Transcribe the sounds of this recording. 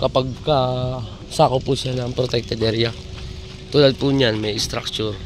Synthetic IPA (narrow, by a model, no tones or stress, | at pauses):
kɐpaɡ̚kɐ | sakopːusjanɐŋpɾot̪ɛk̚t̪ɛd̪ɛɾja | t̪uːlɐd̪̚puɲanmɛjɪst̪ɾak̚t͡ʃʊɾ